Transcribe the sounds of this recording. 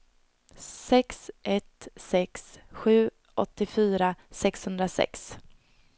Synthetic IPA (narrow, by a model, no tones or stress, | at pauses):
sɛksʔɛt̪sɛksɧʉ̟ː | ʔɔ̰t̪ːɪfyːɾasɛkshɵnd̪ɾasɛ̰ks